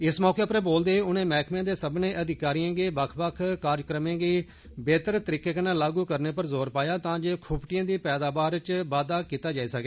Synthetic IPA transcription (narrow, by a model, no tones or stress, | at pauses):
ɪsmɔːkeːpəɾboːld̪eːʊnẽːmɛːkʰmãːd̪eːsəbnẽːʔəd̪ɪkaːɾiːãːɡeːbəkʰbəkʰkaːɾd͡ʒkɾəmẽːɡeː | beːt̪əɾt̪əɾiːkeːkənãːlaːɡuːkəɾneːpəɾzoːɾpaːjaːt̪ãːd͡ʒeːkʰʊpʈɪjãːd̪iːpɛːd̪aːbaːɾt͡ʃbaːd̪aːkiːt̪aːd͡ʒaːiːsəkeː